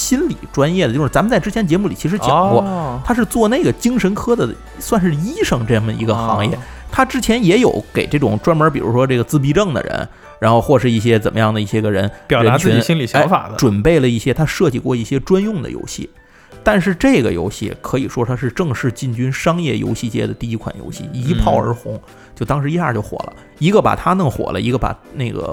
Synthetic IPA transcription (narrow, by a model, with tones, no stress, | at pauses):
ɕi˥nlḭ˨˩ʈ͡ʂwa˥njɛ˥˩də˩jo˥˧ʂ̩˥˩t͡sa˧˥m˨nt͡sa˥˩ɪʈ͡ʂɻ̩˥t͡ɕʰjɛ˧˥nt͡ɕjɛ˧˥mu˩i˨˩t͡ɕʰi˧˥ʂɻ̩˧˥t͡ɕjɑ˨˧˩ŋkwɔ˥˩t̪ʰa˥ʂɻ̩˥˧t͡swɔ˥˧ne˥˩ɪɡə˩t͡ɕi˥ŋʂə˧˥nkʰɤ˥d̪ə˨ | swa˥˧nʂɻ̩˥˧i˥ʂɤ˥˩ŋʈ͡ʂɤ˥˩˥ə̰˩ḭ˧˥ɡə˧xɑ̰˧˥ŋjɛ̰˥˩ | t̪ʰa˥ʈ͡ʂɻ̩˥t͡ɕʰjɛ˧˥njɛ˧˥jo˨˩ʊke˨˩ɪʈ͡ʂɤ˥˩ʈ͡ʂʊ̰˨˩ŋʈ͡ʂwa˥nmə˞˧˥pi˨˩ɻṵ˧˥ʂwɔ˥ʈ͡ʂɤ˥˩ɡə˩t͡sɹ̩˥˩p̬i˧˥ʈ͡ʂɤ˥˩ŋd̪ə̰˩ɻə̰˧˥n | ɻa˧˥nxo˥˧ʊxwɔ˥˩ʂɻ̩˥˧i˥˩ɕjɛ˥t͡sə˨˩nmə˦jɑ˥˩ŋd̪ə˩i˥˩ɕjɛ˥ɡə˧ɻə̰˧˥npjɑ˨˩ɻə˧an˦˥t͡ɕʰɹy˧˥˨n˩ɕi˥nli˨˩ɕjɑ˧˥ŋfa̰˨˩də˦ʈ͡ʂwə˨˩npe˥˩ɪlə˩i˥˩ɕjɛ˥t̪ʰa˥ʂɤ˥˧˩t͡ɕi˥˩kwɔ˥˧i˥˩ɕjɛ˥ʈ͡ʂwa˥njʊ˥˩ŋd̪ə̰˩jo̰˧˥ʊɕḭ˥˩ | t̪a˥˧nʂɻ̩˥˧ʈ͡ʂe˥˩ɪɡə̰˩jo̰˧˥ʊɕḭ˥˩kʰɤ˧˥ḭ˨˩ʂwɔ˥t̪ʰa˥ʂɻ̩˥˧ʈ͡ʂɤ˥˧ŋʂɻ̩˥˧t͡ɕi˥˩nt͡ɕy˥nʂɑ˥ŋjɛ˥˩jo̰˧˥ʊɕi˥˩t͡ɕjɛ̰˥˩d̪ə˩t̪i˥˧i˧˥kʰwa̰˨˩njo̰˧˥ʊɕḭ˥˩i˧˥pʰɑ˥˩ʊə̰˞˧˥xʊ˧˥ŋ | t͡ɕjo˥˩ʊt̪ɑ˥ŋʂɻ̩˧˥i˥ɕa˥˧˩t͡ɕjo˥˩ʊxwɔ̰˨˩lə̰˦ | i˧˥ɡə˧pa̰˨˩t̪ʰa˥nɤ˥˩ŋxwɔ̰˨˩lʔə̰˦i˧˥ɡə˧˩pa̰˨˩ne˥˩ɪɡə̰˩